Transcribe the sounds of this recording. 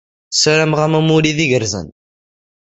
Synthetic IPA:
sɾæmʁæmæmuɾiðiʝəɾzə̰n

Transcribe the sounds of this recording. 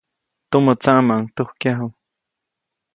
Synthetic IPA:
t̪umot͡saʔmaʔŋt̪uhkjaɦu

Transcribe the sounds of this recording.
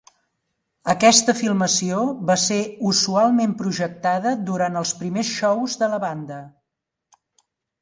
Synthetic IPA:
əkɛst̪əfilˠməsioβaseuzualˠmempɾuʒək̚t̪aðəd̪uɾant̪əlˠspɾimesʃɔwzðələβand̪ə

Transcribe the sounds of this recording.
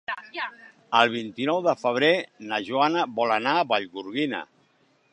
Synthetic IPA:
əlˠβ̞int̪inɔwðəfəβ̞ɾenəʒuanəβɔlənaːβaʎɣuɾɣinə̰

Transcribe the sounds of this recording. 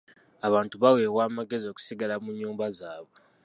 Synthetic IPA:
aβaːntuβawe̞ːβwaːmaɡe̞zio̞ku̥siɡalamuɲːuːmbazaːβo̞

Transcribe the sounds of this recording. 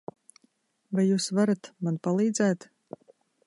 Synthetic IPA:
vajːuːsvaɾat̪manpalˠiːd̪zæːt̪

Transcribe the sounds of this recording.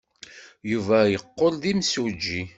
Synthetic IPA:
juvæjəqːolðimsud͡ʒːi

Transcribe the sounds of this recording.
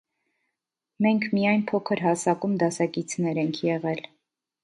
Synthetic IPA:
mɛŋkʰmijɑjnpʰɔkʰəɾɦɑsɑkumd̪ɑsɑkit͡sʰnɛɾɛŋkʰjɛʁɛl

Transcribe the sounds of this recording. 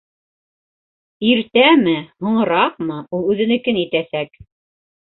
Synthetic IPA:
iɾt̪æmɘhŏɴɤ̆ɾɑq̚mɤulˠʉðɘ̆nɘ̆kɘnit̪æsæk

